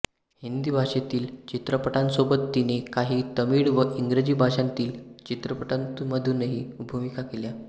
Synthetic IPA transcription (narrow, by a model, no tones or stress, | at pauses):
hind̪iːbʱaʂet̪iːlt͡ɕit̪ɾəpəʈãnsobət̪ːinekaɦiːt̪əmiːɽʋəʔiŋɡɾed͡ʑiːbʱaʂãnt̪iːlt͡ɕit̪ɾəpəʈãnt̪məd̪ʱunːəɦiːubʱumikakelja